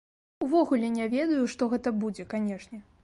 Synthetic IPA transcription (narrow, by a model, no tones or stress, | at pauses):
uvɔɣulʲɛnʲavʲɛd̪ɐjuʂt̪ɔɣɛt̪ɐbud͡zʲɛkanʲɛʂnʲɛ